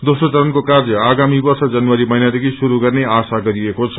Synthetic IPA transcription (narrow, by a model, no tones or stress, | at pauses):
d̪osot͡sʌɾʌnkokard͡zʌaɡamibʌrsʌd͡zʌnwaɾimʌinad̪ekʰisuɾuɡʌrneasaɡʌɾiekot͡sʰʌ̥